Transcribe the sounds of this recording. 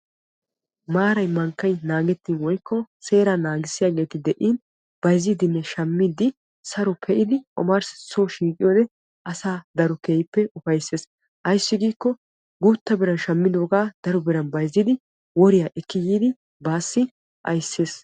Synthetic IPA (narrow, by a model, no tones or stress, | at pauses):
maːɾɐjmɐŋkːɐjnaːɡɛt̪ːiːnwɔjkːɔse̞ːɾanaːɡɪsːɪjaːɡe̞ːt̪ɪd̪ɛʔiːn | b̥ɐjziːd̪ɪnːɛʃɐmːid̪ɪ | sɐɾɔpʰɛʔɪd̪ɪʔɔ̰maɾsɪ̥soːʃiːkʼːɪjoːd̪ɛ | ʔɐsaːd̪ɐɾɔkeːjɪpːɛʊfɐjsːe̞ːs | ʔɐjsːɪɡiːkːɔ | ɡuːt̪ːɐbɪɾɐnʃɐmːɪd̪oːɡaːd̪̥ɐɾɔbɪɾɐnbɐjzːɪd̪ɪ | wɔɾɪjaːʔɛkːɪjiːd̪ɪ | baːsːɪ | ʔɐ̰jsːe̞ːs